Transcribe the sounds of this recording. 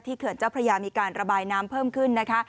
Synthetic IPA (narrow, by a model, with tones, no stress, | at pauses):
t̪ʰiː˥˩kʰɯ˩˦nt͡ɕaː˥˩wpʰɾa˧jaː˧miː˧kaː˧nɾa˧baː˧jnaː˦˥mpʰɤː˥˩mkʰɯ˥˩nːa˦˥kʰa˦˥